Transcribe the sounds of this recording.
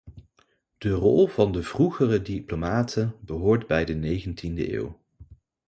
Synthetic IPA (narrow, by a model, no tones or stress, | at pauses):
d̥ərɔ̰lˠv̥ɑndəv̥ruχərədiplomaːtʰənbəɦʊːɹdbɛjdənejχəntində̰ʔḛːw